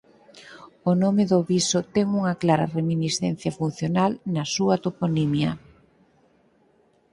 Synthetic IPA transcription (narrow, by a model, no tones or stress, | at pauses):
onomeðoβisot̪ɛŋuŋɐklaɾɐ̰reminisθɛn̟θjɐfun̟θjonalnɐsuɐt̪oponimjɐ